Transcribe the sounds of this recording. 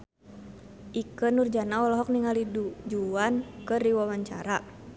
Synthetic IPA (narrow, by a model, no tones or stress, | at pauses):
ʔikənurd͡ʒanaɔlɔɦɔk̚niŋaliud͡ʒuankəriwawaɲt͡ʃa̰ɾa